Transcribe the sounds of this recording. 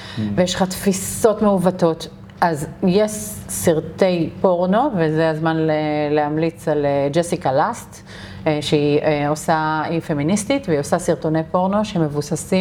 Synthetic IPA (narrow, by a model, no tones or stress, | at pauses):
vejeʃlχatfiso̞tmeuvatot | ʔazjeʃsiʁt̪e̞jpo̞ʁno̞vezeazmanlelehamlit͡saled͡ʒesikalast̪ | ʃeiʔeosaife̞ministitveio̞sasiʁtonejpo̞ʁno̞ʃeme̞vusasi